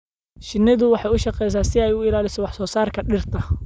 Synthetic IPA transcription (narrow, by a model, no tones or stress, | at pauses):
ʃɪnɪðʊwɑħɑjʊʃɑqɛːjs̬aːsɪɛjʊɪlaːlɪsɔwɑħsɔːsaːrkʰɐɗɪrt̪ʰɐ